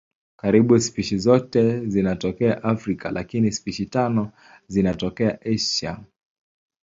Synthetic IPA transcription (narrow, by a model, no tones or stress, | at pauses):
kaɾiɓusi̥piʃizɔtɛzinatɔkɛaʔafɾika̰lʔakinisi̥piʃitanɔ | zinatɔkɛaʔɛʃa̰